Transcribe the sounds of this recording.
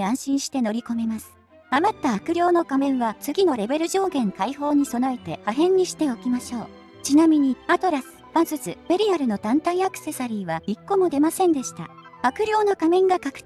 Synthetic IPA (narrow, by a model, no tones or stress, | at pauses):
ãɰ̃ɕĩɰ̃ɕi̥t̪eno̞ɾʲiko̞me̞masɨ̥ | amat̪ːaːkɯ̟ɾʲjo̞ːno̞kamẽ̞ɰ̃βat͡sɨɡʲino̞ɾe̞be̞ɾɯ̟ʑo̞ːɡẽ̞ŋkaiho̞ːɲ̟iso̞nae̞t̪e̞haɦẽ̞ɲ̟ːiɕi̥t̪e̞o̞kʲimaɕo̞ː | t͡ɕinamʲiɲ̟iat̪o̞ɾasɨ̥b̥azɨt͡sɨb̥e̞ɾʲiaɾɯ̟no̞t̪ãnt̪aiakɯ̟̥se̞saɾʲiːβaikːo̞mo̞d̪e̞masẽ̞nd̪e̞ɕi̥t̪a̰ | akɯ̟ɾʲo̞ːnokamẽ̞ŋɡakakɯ̥